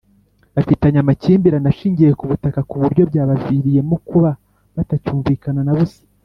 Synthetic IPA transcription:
afitaɲamaciːmbiɾanaʃiːɲɟijekuβutakakuβuɾɟo̞bjaːβaviɾije̞mukuβa | βatacuːɱviːkananaβusi̥

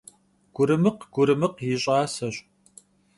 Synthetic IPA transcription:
ɡ̥ʷʊɾɨmɨqɡ̥ʷʊɾɨmɨqjɪɕʼɑːsɐɕʼ

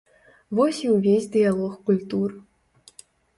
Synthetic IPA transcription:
vɔsʲiwvʲezʲd̪ɨjalˠɔxkulʲt̪ur

